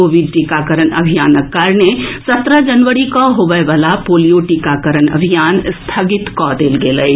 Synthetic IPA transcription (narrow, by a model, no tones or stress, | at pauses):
oːʋɪɖʈikaːkəɾənɐ̰bʱijaːnəkːaːɾnesɐt̪ɾad͡ʒɐnʋəɾikaɦoːʋəʋalapoːlijoʈiːkakəɾənɐ̰bʱijaːnst̪ʰaɡɪt̪kɔd̪eːlɡeːləi